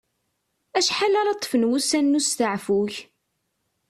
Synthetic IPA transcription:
æʃħalæɾɑt̪ˤːfənwusænːust̪əʕfuç

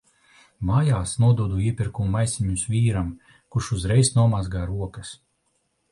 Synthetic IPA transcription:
maːjaːsnuɔd̪uɔd̪uiɛpʲiɾkummajsʲiɲusvʲiːɾam | kuʃuzɾɛjsnuɔmazɡaːɾuɔkɐs

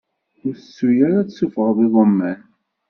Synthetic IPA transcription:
ʊɾsːujaɾæt͡ssːufəʁðiðˤəmːæn

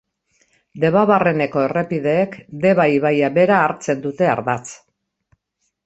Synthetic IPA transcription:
d̪e̞βaβare̞ne̞ko̞e̞re̞piðe̞ːkd̪e̞βajβajaβe̞ɾaːɾt͡se̞nd̪ut̪e̞a̰ɾðat͡s

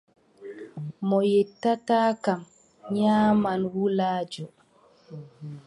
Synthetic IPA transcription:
mɔjɛtːataːkam | ɲaːmanwulaːd͡ʒɔ

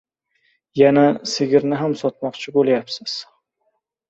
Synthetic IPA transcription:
janasɪɡʲɪɾnɪɦamsɒt̪̚mɒqt͡ʃʰɪbolˠjapsɪz̥

